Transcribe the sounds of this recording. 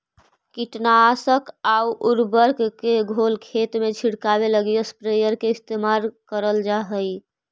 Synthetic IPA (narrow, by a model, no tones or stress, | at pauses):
kiʈnasəkauʔuɾbəɾkkeɡʱolkʰet̪met͡ʃʰiɽkabeləɡijospɾejəɾkeist̪emaɾkəɾəld͡ʒaɦəj